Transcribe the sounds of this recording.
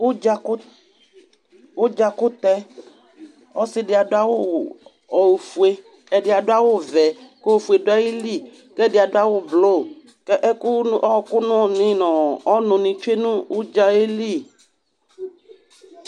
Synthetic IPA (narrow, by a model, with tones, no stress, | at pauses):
wo˦d͡ʒa˨k | wo˦d͡ʒa˨kʊ˦t̪ɛ˦ | ɔ˦sɪ˦dɪ˨a˨dʊ˦a˦wo˦˨ | ɔ˨fu˨e˦ | ɛ˨dɪ˨a˨dʊ˦a˦wo˦vɛ˨kfu˨e˨dʊ˦a˦ji˦li˦˨ | kɛ˦˨dɪ˨a˨dʊ˦a˦wo˦blo˦˨ | kɛ˦ʔɛ˦kʊ˦ɔ˦˨kʊ˦nʊ̃˦ɔ˨nɪ̃˦nɔ̃˨ɔ˦nʊ̃˨nĩ˨t͡ʃe˦nũ˦wʊ˦d͡ʒa˦e˦li˦˨